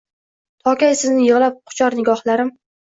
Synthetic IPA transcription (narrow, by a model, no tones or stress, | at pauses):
t̪ʰɒkʲajsɪznɪjɨʁlap̚qʰʊ̥t͡ʃʰɒɾnɪɡʲɒhlaɾɪm